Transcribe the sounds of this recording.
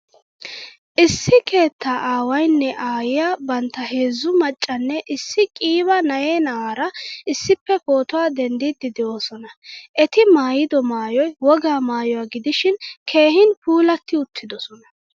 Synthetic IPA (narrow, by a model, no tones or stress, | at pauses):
ʔɪsːɪke̞ːt̪ʰːaːʔaːwɐjnːɛʔaːjɪjaːbɐnt̪ːɐɦe̞ːzːʊmɐt͡ʃʼːɐnːɛʔɪsːɪkʼiːβɐnɐjeːnɐwaːɾɐɪsːɪpːɛfo̞ːt̪ʊwaːd̪ɛnd̪id̪ːɪd̪ɛʔo̞ːsɔnɐʔɛt̪ɪmaːjɪd̪ɔmaːjɔjwɔɡaːmaːjɔwaɡɪd̪ɪʃɪnkʰe̞ːɦɪnpuːlɐt̪ːɪʊt̪ʰːɪd̪ɔsɔnɐ